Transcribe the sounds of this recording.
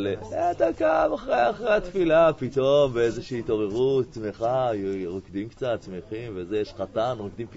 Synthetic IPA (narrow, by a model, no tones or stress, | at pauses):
leet̪akamaχʁejaχʁeat̪filapito̞mbeezeʃiːto̞ʁe̞ʁut̪t͡smeχajuʁokd̪imkt͡sat̪t͡smeχimvezejɛʃχatanʁokd̪imp